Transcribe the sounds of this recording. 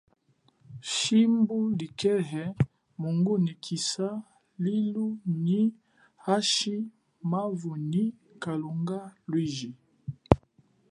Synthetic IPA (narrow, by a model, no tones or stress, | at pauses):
ʃimbulikʰɛɦɛ | muŋɡunikʰisa | liluni | haʃi | mavuni | kaluŋɡalwiʒi